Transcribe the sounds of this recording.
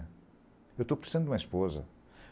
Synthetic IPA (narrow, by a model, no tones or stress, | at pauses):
ewt̪opɾsizẽnd̪umɐiʃpozɐ̰